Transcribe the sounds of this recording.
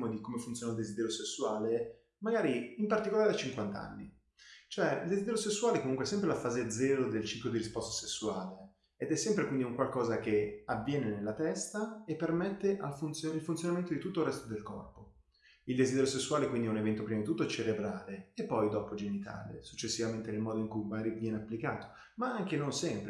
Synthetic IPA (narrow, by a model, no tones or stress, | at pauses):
mod̪ikomefunt̪soːnaild̪ezid̪ɛːɾjosesːuaːle | maɡaːɾiimpart̪ikolaːɾeat͡ʃiŋkwant̪aa̰nːi | t͡ʃoɛild̪ezid̪ɛɾjosesːuwaːlekomuŋkweɛsːɛmp̬ɾelafaːzed̪zːɛːɾod̪elt͡ʃiklod̪iɾispɔst̪ḁsesːuaːleː | d̪ɛsːɛmpɾekwind̪iuŋkwalkɔːzakeavːjɛːnenelːat̪ɛst̪aepːermɛt̪ːeʔalfunt̪sjoilfunt̪sjonament̪od̪it̪ut̪ːoirɛst̪od̪elkɔ̰rpo | ild̪ezid̪ɛɾjosesːuwaːlekwind̪ɛunevɛnt̪opɾimad̪it̪ut̪ːot͡ʃeɾebɾaːleepːɔjd̪ɔːpod͡ʒenit̪ʰa̰ːlḛsut͡ʃːesːivament̪enelmɔːd̪oiŋkujmaɡaːɾivjɛːneapːlikaːt̪o̥ | maaŋkenonsɛmpɾ